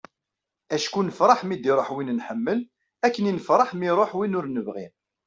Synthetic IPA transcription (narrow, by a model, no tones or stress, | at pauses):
æʃkunəfɾˤɑħmid̪iɾˤoħwinnħəmːəl | ækːəninəfɾˤɑħmiɾˤoħwinʊɾnəvʁim